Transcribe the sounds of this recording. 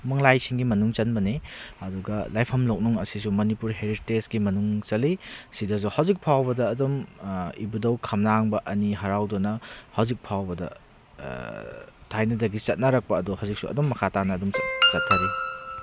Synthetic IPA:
mɐŋlajsiŋɡimɐnuŋt͡ʃɐnbɐniɐduɡɐlajpʰɐmlok̚nuŋɐsisumɐnipuɾɦeɾitesɡimɐnuŋt͡ʃɐlisidɐs̬uhɐwzik̚pʰawbɐdɐːdumibudɐwkʰɐmnaŋbɐʔɐniɦɐɾawdɔnɐhɐwzik̚pʰawbɐdɐ̰ | tʰajnɐdɐɡit͡ʃɐt̚nɐɾɐk̚pɐːduhɐwzik̚suɐ̰dumːɐkʰatanɐːdumt͡ʃɐtʰːaɾi

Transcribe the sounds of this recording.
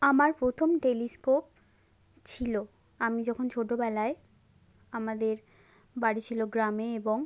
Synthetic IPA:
amaɾpɾot̪ʰomʈeliskop̚ | t͡ɕʰilo | amid͡ʑɔkʰont͡ɕʰoʈːobɛlae | amad̪eɾ | baɽit͡ɕʰiloɡɾameeboŋ

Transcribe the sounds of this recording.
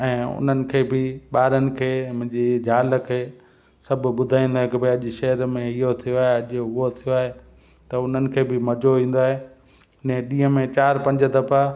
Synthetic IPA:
ɛ̃ːʊ̰n̤ənɪ̆kʰeːbʱɪɓaːɾənɪ̆kʰeːmʊ̃ɦɪ̃ɲd͡ʑid͡ʑʱaːlə̆kʰeː | sɐbʱɓʊd̪ʱaːĩːnd̪oaɦekebeɐʄʊʃɛɦəɾmẽɪɦot̪ʰijoaːɦeɐʄʊɦʊɦot̪ʰijoaːɦe | t̪ɐʊn̤ənɪ̆kʰeːbʱɪmɐd͡ʑoʋĩːn̆d̪oaːɦe | nɛ̃ɗĩːɦə̃mẽt͡ɕaːɾpɐ̃ɲd͡ʑəd̪ɐpa

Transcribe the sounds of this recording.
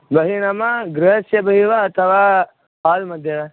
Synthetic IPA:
bɐɦinɐmaɡɾɐɦɐsjɐbɐɦiʋaːt̪ʰɐʋaː | paːlmɐd̪ʱjɐʋa

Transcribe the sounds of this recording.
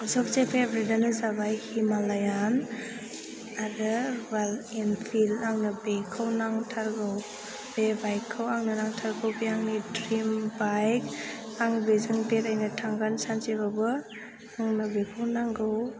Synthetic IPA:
zɔk̚zepʰebɾidanɯzabajhimalajan | aɾɯbalinpʰilaŋnɯbekʰawnaŋtʰaɾɡɯw | b̥ebajkʰːawaŋnɯnaŋtʰaɾɡɯwbeaŋnidɾimbajk | aŋbezɯŋbetajnɯtʰaŋɡansant͡ʃibabɯ | aŋnɯbekʰɯwnaŋɡɯw

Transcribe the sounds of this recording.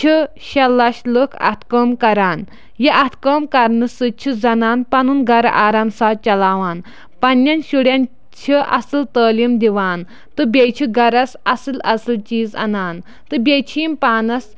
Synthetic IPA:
t͡ʃʰɨ | ʃɐlːɐʃlukʰɐ̰t̪ʰkəːmkɐɾaːn | jiʔɐt̪ʰkəːmkɐɾnɨsɨt͡ʃʰid͡zɐnaːnpɐnunɡɐɾɐ̰ʔaːɾaːmsaːt͡ʃɐlaːʋaːn | pɐnjɐnʃuɽjɐn | t͡ʃʰiʔɐ̰sɨlt̪əːlimd̪iʋaːn | t̪ɨbʲet͡ʃʰiɡɐɾɐsɐsɨlɐ̰sɨlt͡ʃiːzɐ̰naːn | t̪ɨbʲet͡ʃʰiːmpaːnɐs

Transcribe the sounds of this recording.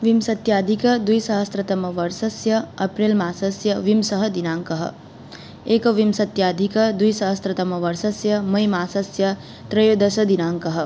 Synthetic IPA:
ʋimsɐt̪jaːd̪ʱikɐd̪ujsɐɦɐst̪ɾɐt̪ɐmɐʋɐɾsɐsjɐɐpɾelmaːsɐsjɐʋimsɐɦɐd̪inaːŋkɐɦɐ̰̆ | eːkɐʋimsɐt̪jaːd̪ʱikɐd̪ujsɐɦɐst̪ɾɐt̪ɐmɐʋɐɾsɐsjɐmɐjmaːsɐsjɐ | t̪ɾɐjod̪ɐsɐd̪inaːŋkɐɦɐ̆

